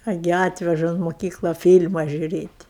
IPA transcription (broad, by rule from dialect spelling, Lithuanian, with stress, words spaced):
ɐˈɡʲɪ ˈɑːtʲʋʲɛʒɐ ʊn moːˈkʲiːklˠɐ ˈfʲiːlʲmɐ ʒʲuːˈrʲeːtʲ